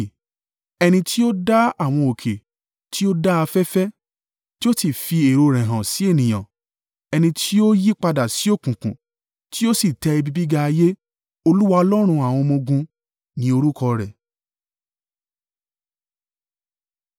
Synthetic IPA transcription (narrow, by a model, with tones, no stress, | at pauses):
ɛ˧nĩ˧tʰi˦o˦da˦a˦˨w̃ɔ̃˧o˨kʰe˨ | ti˦o˦da˦a˧fɛ˦fɛ˦ | ti˦o˦si˨fi˧e˨ɾo˧ɾɛ̃˨ɦã˨si˨˦e˦˨nĩ˨j̃ã̰˨ | ɛ˧nĩ˧tʰi˦o˦ji˦k͡pa˧da˨si˨˦o˦˨kũ˨kũ˨ | ti˦o˦si˦˨tɛ˧i˧bi˦˧bi˦ɡa˦˧je˦ | o˧lu˦wa˧ɔ˧lɔ˦ɾ̃ũ˧a˨w̃ɔ̃˧mõ˧ɡũ˧ | nĩ˨˦o˧ɾu˦kʰɔ˧ɾɛ˨